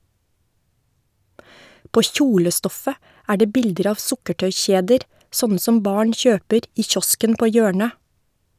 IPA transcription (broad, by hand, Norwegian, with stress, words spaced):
ˈpoː ˈçuːləˌstɔfə ˈæː ˈɖeː ˈbɪldəɾ ˈɑːʋ ˈsʊkəʈœʏˌçeːdəɾ ˈsɔnə ˈsɔm ˈbɑːɳ ˈçøːpəɾ ˈiː ˈçɔskən ˈpoː ˈjøːɳə